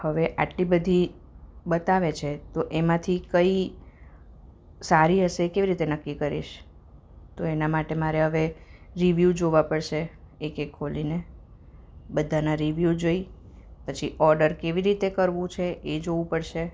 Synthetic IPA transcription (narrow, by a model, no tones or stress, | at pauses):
həʋeʔaʈlibəd̪ʱi | bət̪aʋet͡ʃʰet̪oʔemãt̪ʰikəi | saɾiɦəʃekeʋiɾit̪enəkːikəɾḭʃ | t̪oenamaʈemaɾeɦəʋeɾiʋjud͡ʒoʋapəɽʃe | ekekʰːoline | bəd̪ʱanaɾiʋjud͡ʒoi | pət͡ʃʰiʔɔɾɖəɾkeʋiɾit̪ekəɾʋũt͡ʃʰeed͡ʒoʋũpəɽʃe